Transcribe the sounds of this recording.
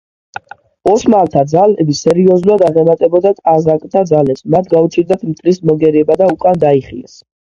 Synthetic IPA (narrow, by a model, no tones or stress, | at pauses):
ɔsmalt̪ʰad̪zalɛbisɛɾiɔzulad̪aʁɛmat̪ʼɛbɔd̪at̪ʼazakʼt̪ʰad̪zalɛpsmat̪ʰɡaut͡ʃʰiɾd̪at̪ʰmt̪ʼlismɔɡɛɾiɛbad̪aukʼand̪aiχiɛ̰s